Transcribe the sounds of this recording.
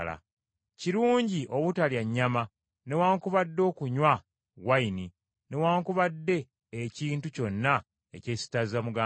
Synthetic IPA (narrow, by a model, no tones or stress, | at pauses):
la̰ | ciɾuːɲɟiʔo̞βutaljaɲːama | ne̞waːŋkuβadːo̞ːkuɲwa | waini | ne̞waːŋkuβadːe̞ː | ciːntuco̞nːa | ḛce̞ːsi̥tazamuɡaː